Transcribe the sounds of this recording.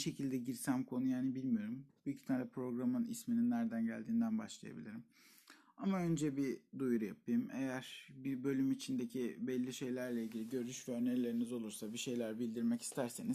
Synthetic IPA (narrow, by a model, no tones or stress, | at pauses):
ʃe̞cʰilʲd̪ɛɟiɾsæmkʰo̞nujaːnibilʲmijo̞ɾumbujycʰi̥t̪ʰalʲɛpʰɾo̞ɡɾamɯnḭsmininːæɾd̪ænɟæ̰lʲd̪iːnd̪ænbaʃlˠɯja̰bḭlʲiɾim | amaø̞nd͡ʒɛbid̪ujɾujap̚ʰɯjɯmejæɾ̥bibø̞lʲymit͡ʃʰind̪e̞cʰibɛlʲːiʃe̞jlʲæɾlʲɛilɟilʲiɟø̞ɾyʃvɛøneɾlʲe̞ɾinizo̞lˠuɾsabiʃe̞jlʲæɾbilʲd̪iɾmɛci̥st̪ʰæɾse̞niz